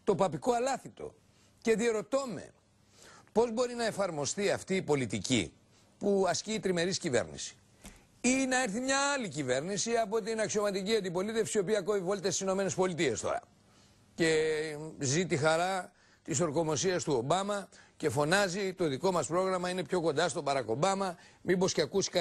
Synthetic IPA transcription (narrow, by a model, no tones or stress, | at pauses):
t̪o̞pɐpiko̞ɐlɐθit̪o̞̰ | ce̞ðie̞ɾo̞t̪o̞me̞̰ | po̞zbo̞ɾinɐe̞fɐɾmo̞st̪iɐft̪iːpo̞lit̪icḭ | puɐsciːt̪ɾime̞ɾiscive̞̰ɾnḭsi̥ | inɐeɾθimɲɐːɐlicive̞ɾnisiɐpo̞t̪inɐksio̞mɐt̪iciɐnd̪ipo̞lit̪e̞fsiopiɐkoivo̞lt̪est̪isino̞me̞ne̞spo̞lit̪ie̞st̪o̞̰ɾɐ̰ | ce̞ | zit̪ixɐɾɐ | t̪iso̞ɾko̞mo̞siɐst̪uo̞bɐmɐce̞fo̞nɐzit̪o̞ðiko̞mɐspɾo̞ɣɾɐmɐine̞pço̞ko̞nd̪ɐst̪o̞bɐɾɐko̞bɐmɐmibo̞sceɐkusi̥kɐ